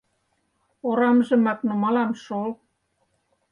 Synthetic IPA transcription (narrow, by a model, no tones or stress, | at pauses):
oɾɑmʒɤ̆mɑknumɑlɑmʃol